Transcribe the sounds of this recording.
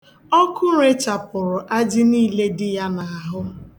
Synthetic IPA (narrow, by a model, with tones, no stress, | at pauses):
ɔ˦kʊ˦ɾe˦t͡ʃa˨pʊ˨ɾʊ˨ʔa˦d͡ʒɪ˦niː˦le˦dɪ˦ja˦na˨a˨ɦʊ˦